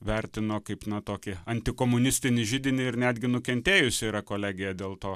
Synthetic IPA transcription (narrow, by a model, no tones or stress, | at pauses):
ʋʲɛɾʲt̪ʲɪnoːkɐɪpnɐt̪oːkʲɪɐnʲt̪ʲɪkoːmʊnʲɪsʲt̪ʲɪnʲɪʒʲɪd̪ʲɪnʲɪɪɾnʲæːd̪ʲɡʲɪnʊkʲɛnʲt̪ʲeːjʊsʲɪiːɾɐkoːlʲæːɡʲɪjɛd̪ʲeːlˠt̪oː